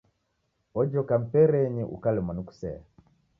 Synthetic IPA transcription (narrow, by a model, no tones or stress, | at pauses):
ɔd͡ʒɔkam̩pɛɾɛɲiʔṵkalɛmanuku̥sɛ̰a̰